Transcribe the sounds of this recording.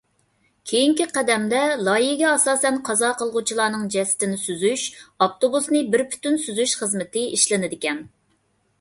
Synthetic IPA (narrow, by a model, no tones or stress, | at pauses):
kʲʰejiŋkʲiqæd̪ɛmd̪ɛlˠɑjiɡʲɛɑsɑːsɛnqʰɑzɑːqʰəlˠʁʊt͡ʃʰilˠɑːnɨŋd͡ʒɛsɪ̥t̪ɪnɪsyzyʃɑft̪obusnɨbɪɾpʰy̥t̪ynsyzyʃχəzmɪt̪ɪiʃlɪnɪd̪ɪkʲɛn